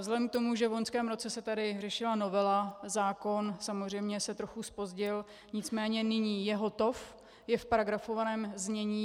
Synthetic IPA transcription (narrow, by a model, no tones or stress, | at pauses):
zlɛdɛmkt̪o̞muʒɛvlonskɛːmɾo̞t͡sɛsɛt̪adɪrɛʃɪlano̞vɛlazaːko̞nsamozr̝ɛjmɲɛsɛt̪ɾo̞xuspo̞zɟɪl | ɲɪt͡smɛːɲɛnɪɲiːjɛɦo̞t̪o̞f | jɛfpaɾaɡɾafovanɛːmzɲɛɲiː